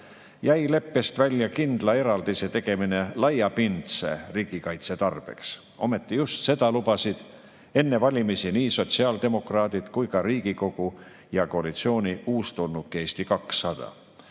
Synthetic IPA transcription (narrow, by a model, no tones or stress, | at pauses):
jæjle̞pːe̞st̪vælʲjɑkind̪̥lɑe̞ɾɑld̪̥ise̞t̪e̞ɡ̥e̞mine̞lɑjɑpint̪se̞̰riːɡ̥ikɑjt̪se̞t̪ɑrb̥e̞̰ks | o̞me̞t̪ːˑijust̪se̞d̪̥ɑlubɑsid̪̥ | e̞nːe̞vɑlʲimisiniːso̞t̪siɑːld̪e̞mo̞krɑːd̪̥id̪̥kujkɑɾiːɡ̥iko̞ɡ̥u | jɑko̞ɑlit̪sio̞ːnʲiuːst̪onːukːe̞ːst̪ikɑksːɑd̪̥ɑ̰